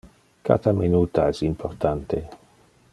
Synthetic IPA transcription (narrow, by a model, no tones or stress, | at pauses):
ka̰t̪amenut̪aɛsimpʰort̪ant̪e